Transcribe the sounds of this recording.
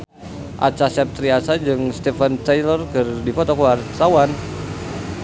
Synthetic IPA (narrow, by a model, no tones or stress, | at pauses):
ʔa̰t͡ʃasɛp̚t̪ɾiasad͡ʒɨŋst̪ɛfɛnt̪ajlɔrkɨrdifɔt̪ɔkuwart̪awan